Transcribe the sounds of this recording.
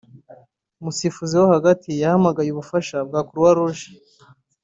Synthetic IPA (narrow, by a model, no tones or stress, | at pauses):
musifuziwohaɡatʰijahamaɡajuβufaʃab̚ɡaːkuɾwaɾuʒi̥